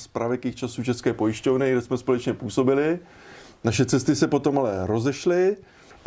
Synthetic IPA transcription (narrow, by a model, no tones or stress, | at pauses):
spɾʔavɛkixt͡ʃasuːt͡ʃɛskɛːpo̞jɪʃcovnɪɡdɛsmɛspo̞lɛt͡ʃɲɛpuːso̞bɪlɪ | naʃɛt͡sɛst̪ɪsɛpo̞t̪o̞malɛɾo̞zɛʃlɪ